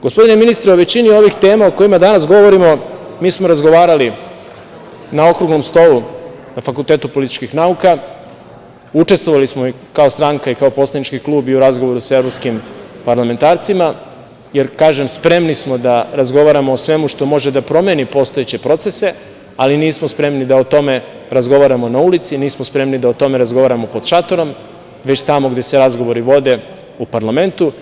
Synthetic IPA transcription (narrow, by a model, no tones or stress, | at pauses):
ɡospo̞d̪ine̞minist̪ɾeo̞ʋe̞t͡ɕinio̞ʋixt̪e̞ːmaoko̞jimad̪anasɡo̞ʋo̞ɾimo̞miːsmo̞ɾazɡo̞ʋaːɾali | nao̞kɾuɡno̞mst̪o̞lu | nafakulˠt̪e̞ːt̪upo̞lit̪i̥t͡ʃkixnauka | ut͡ʃe̞st̪ʋoʋalismo | kaost̪ɾaŋkaikaopo̞slˠanit͡ʃkiklˠuːbiuɾazɡo̞ʋo̞ɾusae̞vɾopskimpaɾlame̞nt̪aːɾt̪sima | je̞ɾkaːʒe̞mspɾe̞mnismo̞d̪aɾazɡo̞ʋaɾamoːsʋe̞muʃt̪o̞mo̞ʒe̞d̪apɾo̞menipo̞st̪o̞et͡ɕe̞pɾo̞t̪se̞se̞ | aliniːsmospɾe̞mnid̪aot̪o̞me̞ | ɾazɡo̞ʋaɾamo̞naulit̪siniːsmospɾe̞mnid̪aot̪o̞me̞ɾazɡo̞ʋaːɾamo̞po̞d̪̥ʃat̪o̞ɾo̞m | ʋe̞t͡ɕt̪amo̞ɡd̪e̞seɾazɡo̞ʋo̞ɾiʋo̞d̪e̞ | upaɾlame̞nt̪u